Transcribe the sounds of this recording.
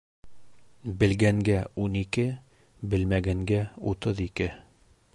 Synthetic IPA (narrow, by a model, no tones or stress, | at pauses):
bɘ̆lɡæŋɡæunikɘ | bɘ̆lmæɡæŋɡæṵt̪ɤðikɘ